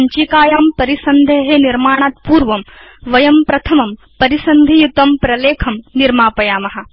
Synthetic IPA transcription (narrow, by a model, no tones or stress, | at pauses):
ɐɲt͡ʃikaːjaːmpɐɾisɐnd̪ʱeɦeniɾmaːɳ̃aːt̪̚puːɾʋɐmʋɐjɐmpɾɐt̪ʰɐmɐm | pɐɾisɐnd̪ʱijut̪ɐmpɾɐleːkʰɐmniɾmaːpɐjaːmɐɦɐ̆